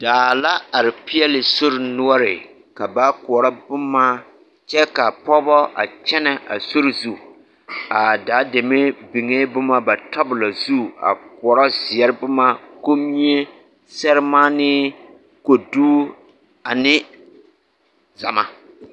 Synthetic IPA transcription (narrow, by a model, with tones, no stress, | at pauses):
d̥aː˨la˦a˨ɾɪ˨pɪ˦ɛ˦lɪ˨so˦ɾɪ˨nʊ˦ɔ˦ɾɪ˨ | ka˨ba˦kʊ˨ɔ˨ɾɔ˦bʊ˦mːaː˦ | t͡ʃɛ˦ka˨pɔ˦bɔ˦ʔa̰˨t͡ʃɛ˦nɛ˨a̰˨so˦ɾɪ˨zu˦ | a˨daː˨˦de˨me˦bi˨ŋe˦bʊ˦ma˦ba˨tɔ˦bʊ˨la˨zu˦a̰˨k̚ʊ˨ɔ˨ɾɔ˦zɪ˨ɛ˦ɾɪ˦bʊ˦ma˦ko˦mi˦ɲe˦ | sɛ˦ɾɪ˦maː˦nɪ˦ | ko˨duː˦ | a˨nɪ˦ | za˨ma̰˦